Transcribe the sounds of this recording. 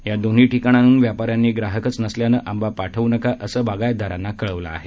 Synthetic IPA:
jad̪on̤iːʈikaɽ̃anuːnʋjapaɾjanːiːɡɾaɦəkət͡snəsljanəʔambapaʈʰəʋunəkaʔəsəːbaɡajd̪ʱaɾanːakəɭəʋlaa̰ɦe

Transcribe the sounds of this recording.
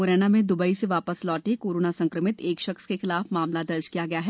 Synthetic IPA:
oːɾɛːnamẽd̪ʊbəiseʋaːpəslɔːʈekoːɾoːnasɐ̃ŋkɾəmɪt̪eːkʃɐxskexɪlaːfmaːmlad̪ɐɾt͡ʃkijaɡɐjaɦɛː

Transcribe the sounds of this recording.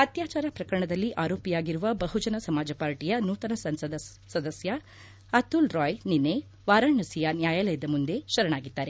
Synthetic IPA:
ɐt̪jaːt͡ʃaːɾɐpɾɐkɐɾɐɳɐd̪ɐlːiʔaːɾo̞ːpijaːɡiɾuʋɐbɐɦud͡ʒɐnɐsɐmaːd͡ʒɐpaːɾʈijɐnuːt̪ɐnɐsɐɐd̪ | sɐd̪ɐsjɐ | ɐt̪ulɾɔːjninːe | ʋaːɾaːɳɐsijɐnjaːjalɐjɐd̪ɐmund̪e̞ʃɐɾɐɳaːɡid̪ːaːɾe

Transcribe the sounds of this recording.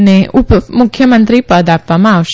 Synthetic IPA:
neʔupmukʰjəmənt̪ɾipəd̪ʱap̚amãːwɕ

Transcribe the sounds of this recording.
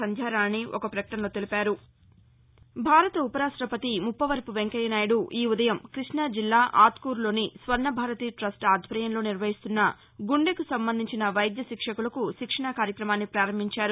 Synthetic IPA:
ɐnd͡ʒ̪ʱaːɾaːnːiʔɔkɐpɾɐkɐʈɐnlo̞ːt̪elipaːɾu | bʱaːɾɐt̪ɐupɐɾaːsɾɐpɐt̪imupːɐʋɐɾpuʋeŋkɐjɐnaːjɐɽuʔiːud̪ɐjɐmkɾiʂɳaːd͡ʒilːaːʔaːt̪kuːɾlo̞ːnisʋɐɾnɐbʱaːɾɐt̪iːʈɾɐsʈaːd̪ʱʋɐɾɐjɐnlo̞ːniɾʋɐɦist̪unːɐ | ɡuɳɖekusɐmbɐnd̪ʱiɲt͡ʃinɐʋɐjd̪jɐʃikʂɐkulɐkuʃikʂɐɳakaːɾjɐkɾɐmaːnːipɾaːɾɐmbʱiɲt͡ʃaːɾu

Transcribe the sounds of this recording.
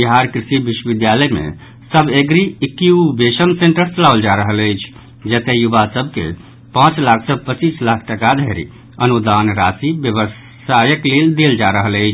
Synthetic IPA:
biɦaɾkɾisibiʃwəbid̪jaləjmḛ | səbeɡɾiikːiubeʃəmseɳʈəɾt͡ʃəlawld͡ʒaɾəɦələjt͡ʃʰ | d͡ʒət̪ejubasəbʱkḛ | pãt͡ʃlakʰsəbpət͡ʃislakʰʈəkad̪ʱəɾḭ | ənud̪anɾasibjəβəs | ajəkleld̪eld͡ʒaɾəɦələɪt͡ʃʰ

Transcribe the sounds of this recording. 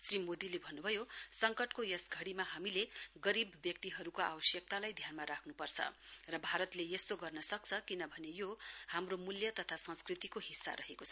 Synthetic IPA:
srimod̪ilebʱʌnːubʱʌjosʌŋkʌʈkojʌsɡʱʌɽimaɦamileɡʌɾibːjʌk̚t̪iɦʌɾukoa̰bʌsjʌk̚t̪alajd̪ʱjanmaɾakʰnupʌrt͡sʰʌ̰rʌbʱaɾʌt̪lejest̪oɡʌrnʌsʌk̚t͡sʰʌkinʌbʱʌnejohamromuljʌt̪ʌt̪ʰasʌ̃skrit̪ikoɦisːa̰ɾʌɦekot͡sʰʌ

